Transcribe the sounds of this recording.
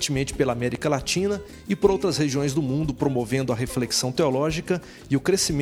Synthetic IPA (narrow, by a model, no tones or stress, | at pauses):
t͡ʃɪmẽnt͡ʃɪ̥pelamɛɾikɐlat͡ʃĩnɐ | ɪpoɾowt̪ɾɐsheʒiõj̃zd̪ʊmũnd̪ʊpɾomovẽnd̪ʊɐɦefleksɐ̃w̃t̪eolɔʒikɐ | ɪʊkɾesimẽ